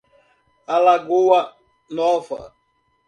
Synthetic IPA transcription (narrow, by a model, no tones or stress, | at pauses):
alaɡoɐ | nɔvɐ̰